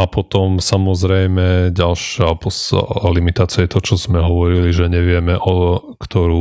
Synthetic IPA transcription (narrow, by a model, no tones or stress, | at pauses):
apɔt̪ɔmsamɔzɾɛjmɛɟalʃɪapɔslimit̪aːt͡sɪajɛt̪ɔt͡ʃɔzmɛɦɔʋɔɾiliʒɛɲɛʋɪɛmɛʔɔ | kt̪ɔɾuː